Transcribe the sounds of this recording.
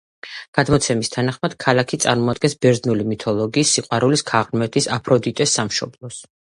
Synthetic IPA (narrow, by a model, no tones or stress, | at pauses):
ɡ̥ad̪mɔt̪sʰɛmist̪ʰanaχmad̪̥kʰalˠakʰit̪sʼaɾmɔad̪ɡɛnsbɛɾznulimit̪ʰɔlˠɔɡiːsːiqʼwaɾuliskʰaʁnmɛt̪ʰisapʰɾɔd̪it̪ʼɛsːamʃɔ̰blˠɔs